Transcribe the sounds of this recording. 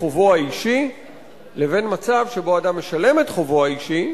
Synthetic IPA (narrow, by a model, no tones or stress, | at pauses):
ovoaiʃi | le̞ve̞nmat͡savʃebo̞adamːe̞ʃale̞metχovoaiʃi